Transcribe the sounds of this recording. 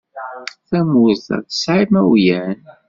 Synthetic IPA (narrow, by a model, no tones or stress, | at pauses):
θæmuθə̰θə̥sʕimæwjæn